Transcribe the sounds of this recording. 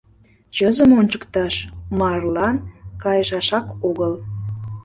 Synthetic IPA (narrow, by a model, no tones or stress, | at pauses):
t͡ɕəzəmonʲt͡ɕəkt̪ɑʃmɑrlɑnkɑjəʃɑʃɑkoɣəl